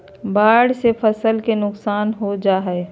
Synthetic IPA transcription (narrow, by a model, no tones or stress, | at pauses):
baːɽsepʰɐsəlkenʊksaːnɦod͡ʒaːɦɛe